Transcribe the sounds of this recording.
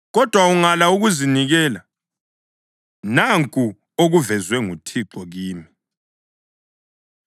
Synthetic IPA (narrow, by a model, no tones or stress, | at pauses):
ɣɔd̥ʱwauŋalauɣuziniɣɛːla | naŋkʼu | oɣuvɛzwɛŋutʰiǁɔɣiːmi